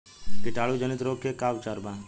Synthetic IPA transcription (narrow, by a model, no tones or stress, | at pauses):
kɪʈaːɭud͡ʒənɪt̪ɾoːkːekaːʋt͡ʃaːɾbãː